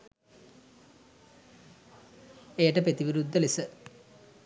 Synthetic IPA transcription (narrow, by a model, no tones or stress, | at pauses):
ejəʈəpet̪iʋiɾud̪ʱːəlisə